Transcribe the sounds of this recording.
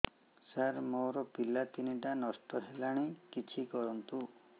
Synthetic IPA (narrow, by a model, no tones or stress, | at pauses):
saɾmoɾɔpilat̪iniʈanɔsʈɔɦelaɽ̃ikit͡ʃʰikɔɾɔnt̪u